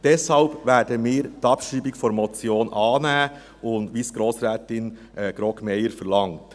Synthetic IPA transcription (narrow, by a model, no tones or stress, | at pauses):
d̥ɛshɑlb̥væːdəmɪːɾt̪ɑpʃiːbɪkfɔɾmɔt͡sjoːnʔɑːnæː | ʊndʋiːsɡ̥ɾoːsɾɛːtɪnʔɛɡ̥ɾɔkmɛjəɾfəɾlɑŋt